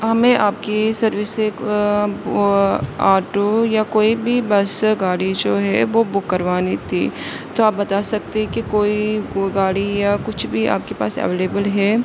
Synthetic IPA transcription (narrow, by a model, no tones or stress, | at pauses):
ɦɐmẽʔaːp̚kisɐɾʋɪsek | aːɾʈojakoːibʱibɐsɡaːɽid͡ʒoːɦɛʋobʊkːɐɾʋaːnit̪ʰḭː | t̪oaːp̚bɐt̪aːsɐk̚t̪eɛ̃kikoːiɡaːɽijakʊt͡ʃʰbʱiʔa̰ːp̚kepa̰ːsɛ̰ʋeːleːbəlɦɛː